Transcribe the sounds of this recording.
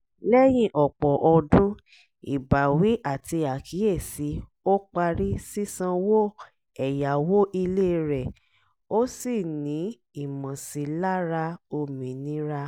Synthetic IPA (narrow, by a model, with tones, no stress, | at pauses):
lɛ˦j̃ĩ˦ʔɔ˨k͡pɔ˨ʔɔ˧dũ˦ | ḭ˨ba˨wi˨˦ʔa˦˨ti˧a˨kʰi˨˦e˦˨si˨˦ | o˦k͡pa˧ɾi˦si˦sã˧wo˦ | ɛ˨ja˨wo˦ʔi˧le˦˧ɾɛ˨ | o˦si˦˨nĩ˨˦ | i˦˨mã˨si˧la˦ɾa˧o˧mĩ˨˦nĩ˨˦ɾa˦